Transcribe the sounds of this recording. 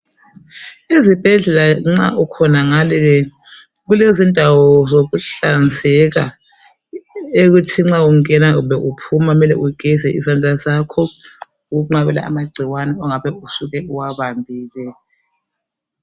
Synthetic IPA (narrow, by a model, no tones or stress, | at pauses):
izib̥ʱɛɮɛlaŋ͡ǁa̰ʔukʰɔnaŋaliɣɛ | ɣulezindʱawɔzoɣuɬand͡zʱɛɣa | eɣutʰiŋ͡ǁauŋ̩ɛnaubɛʔupʰumamɛlɛ̰ʔuɡ̥ʱɛzɛʔizand͡ɮʱʼazakʰɔ | uɣuŋ͡ǃaβɛ̰la̰ʔa̰maɡ͡ǀʱiwanɛɔŋaβɛusuɣɛuwaβambʱiːlɛ